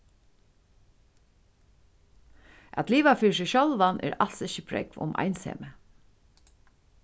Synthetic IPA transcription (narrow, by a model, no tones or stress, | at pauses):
ʔæ̰t̪liːʋafiːs̬ɪʃolʋanʔɛ̰ːɾal̥sɪçəpʰɾɛ̰kvʊ̰mʔa̰jnsɛ̰ːmə